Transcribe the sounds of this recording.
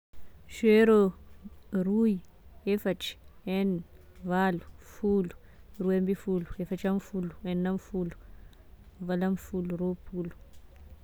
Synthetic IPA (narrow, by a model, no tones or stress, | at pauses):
ʃweɾo | ɾuji | efat͡ʃi̥ɛn | valufulu̥ | ɾuembifuluefat͡ʃamfuluɛnːamfulu̥ | valamfuluɾopʰulu